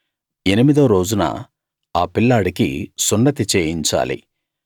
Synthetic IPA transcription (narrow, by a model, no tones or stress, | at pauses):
enimid̪ɐɾo̞ːd͡ʒunɐ̰ | aːpilːaːɽikḭsunɖɐt̪it͡ʃeːjiɲt͡ʃa̰ːlḭ